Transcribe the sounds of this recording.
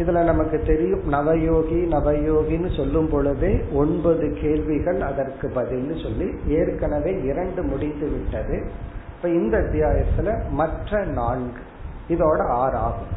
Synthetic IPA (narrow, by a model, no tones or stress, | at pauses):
ɪðɪlɐnɐmɐkːɯt̪ːɛɾɪjɯmnɐʋɐjoːɣinɐʋɐjoːɣinːɯsɔlːɯmpɔɭɯðeːɔɳbɐðɯkeːlʋɪɣɐɭɐðɐrkɯpɐðɪlnɯsɔlːieːɾkɐɳɐʋeːɪɾɐɳɖɯmʊɽɪnːɯʋɪʈːɐðɯ | pːɐɪnd̪ɐt̪ːɪjaːjɐt̪ːɪlɐmɐʈrɐnaːɳɡɯ | ɪðoːɽɐaːɾaːɣɯm